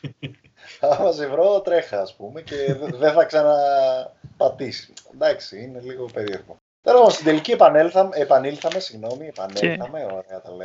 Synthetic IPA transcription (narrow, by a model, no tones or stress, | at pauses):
ɐmɐsevɾo̞t̪ɾe̞xɐːspumeceðeθɐksɐnɐ | pɐt̪isi̥d̪ɐksiine̞liɣo̞pe̞ɾieɾpo | t̪oɾoponst̪id̪eliciepɐnelθɐmeːpɐnilθɐme̞siɣno̞miepɐ̰nelθɐme̞oɾeɐt̪ɐle